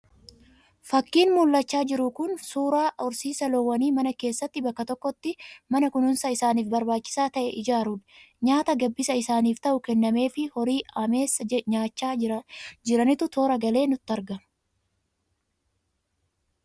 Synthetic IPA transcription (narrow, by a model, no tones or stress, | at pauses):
fɐkːiːnmulːɐt͡ʃːaːd͡ʒɪɾʊkʊnsuːɾaːʔʊɾsiːsɐlɔːwːɐniːmɐnɐke̞ːsːɐt̪ːɪbɐkːɐt̪ɔkːɔt̪ːɪmɐnɐkʊnʊnsɐɪsaːniːfbɐɾbaːt͡ʃːɪ̥saːt̪ɐʔɛʔɪd͡ʒaːɾuᶑ̪ | ɲaːt̪ɐɡɐbːɪsɐɪsaːniːft̪ɐʔʊkɛnːɐme̞ːfɪhɔɾiːɐmeːsɐɲaːt͡ʃːaːd͡ʒɪɾɐnɪt̪ʊt̪ʰo̞ːɾɐɡɐle̞ːnʊt̪ːɐɾɡɐ